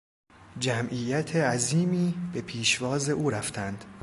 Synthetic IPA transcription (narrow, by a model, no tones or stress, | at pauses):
d͡ʒæmʔiːjæt̪ʰeæziːmiːb̥e̞pʰiːʃvɒːze̞ʔuːɾæft̪ʰænd̪̥